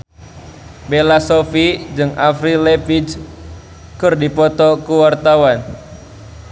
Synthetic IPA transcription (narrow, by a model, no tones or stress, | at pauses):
belasofid͡ʒɨŋʔafɾilɛfid͡ʒ | kɨrdipɔt̪ɔkuwart̪awan